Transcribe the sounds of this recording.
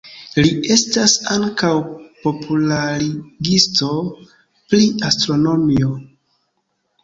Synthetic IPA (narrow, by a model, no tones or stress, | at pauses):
liʔe̞stasaŋkawpo̞pʰulaɾiɡisto̞ | pɾiastɾo̞no̞mio